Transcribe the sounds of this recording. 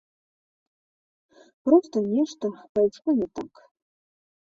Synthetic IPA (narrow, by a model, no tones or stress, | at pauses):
prostʰanʲeʂtʰapajʈ͡ʂʰkʷʊnatʰʼakʼ